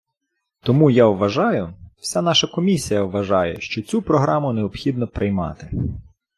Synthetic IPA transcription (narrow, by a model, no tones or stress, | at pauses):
t̪ɔmujawʋɐʒɑjʊw̥sʲan̪ɑʃɐkɔmʲisʲijɐʋʋɐʒɑjɛ̰ʃt͡ʃɔt͡sʲupɾɔɦɾɑmʊneɔpxʲid̪nɔpɾɪjmɑ̰t̪ɪ